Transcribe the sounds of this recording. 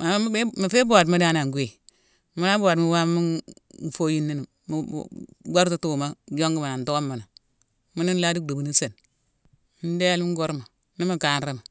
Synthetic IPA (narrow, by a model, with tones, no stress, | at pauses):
ma˨˦mi˨fe˦bo˦˨t̬mi˦da˦na˨ŋ˨ɡʷe˨ | mu˦na˦bo˦a˨tmi˦wa˦i˦n˨fo˦ji˦nːi˦ni˨ | m̰˨˦ɡa˦ɾtu˦tu˦˨ma˦d͡ʒo˦ŋɡi˦ma˨na˨n˨to˦ɡo˦mːa˨na˨ | mi˦ni˦n˦la˦di˦k̚du˨bu˨ni˦se˨n | mi˦n˦de˦lmi˦ɡo˦ɾma˨ | ni˦mi˦ka˨nɾi˦ma˨